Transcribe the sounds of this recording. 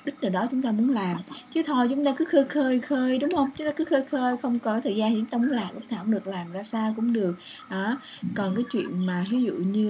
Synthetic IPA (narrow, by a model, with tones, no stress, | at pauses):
ɗï˦˥k̚nəː˨˩ɗɔ˨˦t͡ɕʊ˨˦ŋ͡mt̪aː˧mu˨˦ənlaː˨˩mt͡ɕɨ˨˦t̪ʰo˧jt͡ɕʊ˨˦ŋ͡mt̪aː˧kɨ˨˦xəː˧jxəː˧jxəː˧jɗʊ˨˦ŋ͡mhə˧wŋ͡mt͡ɕŋ͡mt̪aː˧kɨ˨˦xəː˧jxəː˧jxə˧wŋ͡mkɔ˨kːjt̪ʰəː˨˩jza˧˨˩t͡ɕʊ˧˦t̪ːmu˨˦nlaː˨˩mʔə˦˥t̚naː˨˩hŋ͡mɗɨ˨˩ək̚laː˨˩mzaː˧saː˧wkʊ̰˧˥ŋ͡mɗɨ˨˩ək̚ɗɔː˨˦ | ɔ˨˩nkaː˨˦jt͡ɕwḭ˧˨ənmaː˨˩ɦi˨˦zṵ˧˨ɲɨ˧